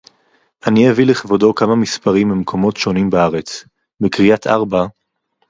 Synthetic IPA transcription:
ʔanieviliχvodo̞kamamispaʁimimkʰo̞mo̞tʃonimbaaʁet͡s | bekʁiatʰʔaʁba

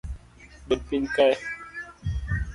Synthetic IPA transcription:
bəpinkaj

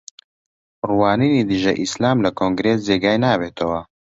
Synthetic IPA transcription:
ruwaːniːnid̪ɨʒɐ̰ʔislaːmlɐkʰoːŋɡɾeːsd͡zeːɡaːjnaːbeːt̪ʰɐwɐ

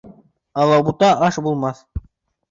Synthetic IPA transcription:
ɑlˠɑbut̪ɑʔɑʃbulˠmɑθ

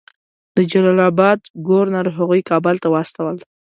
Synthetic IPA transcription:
d̪̥əd͡ʒalɑlɑbɑd̪ɡoɾnaɾɦaɣujkɑbəlt̪awaast̪awəl

